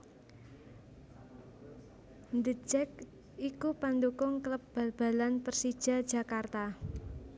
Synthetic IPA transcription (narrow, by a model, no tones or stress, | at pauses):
nd̪əd͡ʒɛk̚ | ʔikupand̪ukʊŋkləp̚b̥a̤lb̥a̤lanpərsid̥ʒ̥a̤d̥d͡ʒ̥ä̤kart̪a